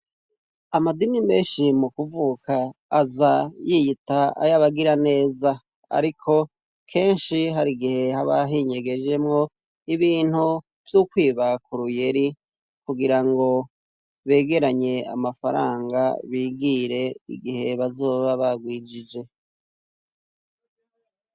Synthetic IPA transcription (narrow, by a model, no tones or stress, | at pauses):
amadinime̞ːnʃimukuvukʰaːzajijitaa̰jaβaɡiɾane̞ːza | a̰ɾikʰo̞ | kʰe̞ːnʃiɦaɾiɡihe̞haβaɦiɲeɡe̞d͡ʒe̞mŋo̞ | iβiːn̥hu | v̥jukwiːβakʰuɾuje̞ɾi | kuɡiɾaŋɡo̞ | βe̞ːɡe̞ɾaɲe̞a̰mafaɾa̰ːŋɡaβiːɡiɾe̞ḭɡihe̞βazo̞ːβaβaɡwiːd͡ʒid͡ʒe̞